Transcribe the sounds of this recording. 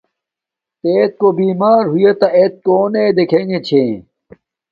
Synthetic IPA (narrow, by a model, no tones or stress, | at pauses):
t̪eːt̪̚kobiːmaːɾɦujet̪ɐʔet̪̚koːned̪ekʰeŋɡet͡ɕʰẽː